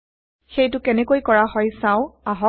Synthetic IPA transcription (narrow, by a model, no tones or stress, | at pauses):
xejtʊkɛnɛkojkɔɹaɦɔjsãʊ̃aɦɔ